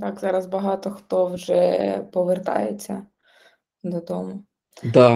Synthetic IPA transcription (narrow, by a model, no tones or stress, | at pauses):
t̪ɑkzɑɾɐzbɐɦɑt̪ɔxt̪ɔwʒɛpɔʋert̪ɑ̰jet͡sʲːɐ | d̪ɔd̪ɔmʊ | d̪ɑ